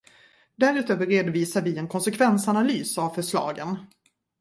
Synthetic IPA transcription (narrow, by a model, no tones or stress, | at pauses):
d̪æɾʉ̟ːt̪øːvəɾeːd̪ʊviːsaɾvɪɛnkʰɔnsɛkʰvɛnsanalyːsavfœʂlɑ̰ːɡən